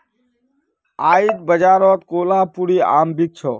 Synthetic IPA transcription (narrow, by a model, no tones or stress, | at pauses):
aːiːt̪̚bəd͡ʒaːɾɔːt̪̚koːlaːpuɾiːa̰ːmbik̚t͡ʃʰɔː